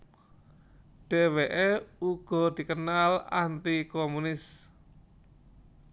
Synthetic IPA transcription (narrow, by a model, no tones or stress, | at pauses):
ɖ̥e̤weʔeuɡ̥ɔ̤d̪̥i̤kənala̰nt̪ikomunɪs